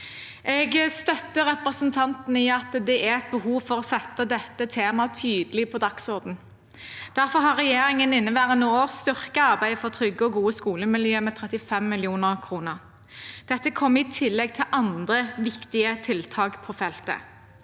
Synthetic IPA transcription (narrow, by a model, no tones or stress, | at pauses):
ʔɛɡst̪œt̪ːəʁɛpʁəsənt̪ʰɑnt̪n̩iːɑt̪d̪ɛʔæɛt̪̚bəhuːʋfɔʁɔsɛt̪ːəd̪ɛt̪ːət̪ʰeːmɑt̪ʰyːd̪əlɪpʰɔd̪ɑksʊʁd̪n̩ | d̪̥æʁfɔɦɑʁɛjeːɾɪŋənɪnːəʋæːʁənoːoːst̪ʏʁkəɑʁbæɪfɔʁt̪ʰʁɾʏɡəɔɡuːəskuːləmɪljøːmɛt̪ʰʁɛt̪ɪfɛmːɪlɪuːnəʁkʰʁuːnəʁ | d̪̥ɛt̪ːəkʰɔmːɪt̪ʰɪlːɛɡ̚t̪ʰɪlʔɑnd̪ʁəʋɪkt̪ɪət̪ʰɪlt̪ʰɑːkpʰɔfɛlt̪ə̰